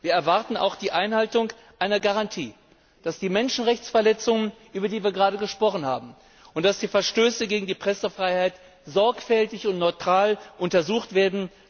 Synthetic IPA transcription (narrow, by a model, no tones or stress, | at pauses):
viːɐɛɐvaʁtn̩ʔa̰ʊxd̥iːʔaɪnhaltʊŋ | ʔaɪnɐɡaʁantʰiː | d̥asd̥iːmɛnʃn̩ʁɛçt͡sfɛɐlɛt͡sʊŋənʔyːbɐdiːviːɐɡʁaːɾəɡəʃpʁ̥ɔχn̩ha̰ːbm̩ | ʊnt̚d̥asd̥iːfɛɐʃtøːsəɡeːɡŋ̩diːpʁ̥ɛsəfʁ̥aɪhaɪt | z̥ɔɐkfɛltɪçʊntnɔʏtʁ̥aːlʔʊntɐzuːxtv̥eːɐdn̩